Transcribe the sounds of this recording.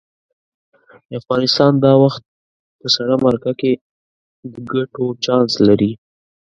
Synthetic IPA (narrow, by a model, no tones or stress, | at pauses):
d̪əafɣɑnɪst̪ɑnd̪ɑwaxt̪̚ | pəsaɽamaɾakake | d̪əɡaʈot͡ʃɑnslaɾi